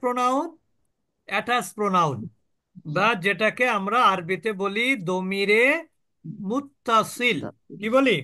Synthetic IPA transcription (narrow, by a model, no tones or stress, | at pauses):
pɾonawn | ɛʈaspɾonawn | bad͡ʑeʈakeamɾaaɾbit̪ebolid̪omiɾe | mut̪ːasilkiboli